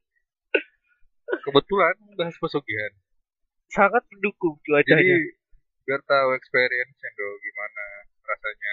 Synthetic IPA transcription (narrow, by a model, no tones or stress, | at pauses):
kəbət̪ulanəbaɦaspəsuɡiɦan | saŋat̪̚məndukʊŋt̪uad͡ʒd͡ʒaia | bərt̪auɛkspeɾiənsɛndoɡimana | rasaɲa